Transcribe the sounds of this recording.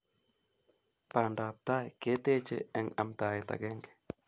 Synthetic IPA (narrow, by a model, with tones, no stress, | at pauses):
pa˨ndaː˨p̚ta˦jke˦te˦t͡ʃḛ˦ɛ˨ŋa̰˨mt̪aː˨je˨ta̰˨ɡɛ˦ŋɡɛ̥˨